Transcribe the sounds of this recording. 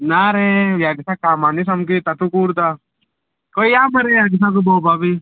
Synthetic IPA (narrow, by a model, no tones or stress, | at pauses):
naɾeʋjaɡisakaːmanis̬ɐmkit̪at̪ukuːɾt̪a | koijaːmɐɾejaːɡis̬ak̪̬ubɔwbabi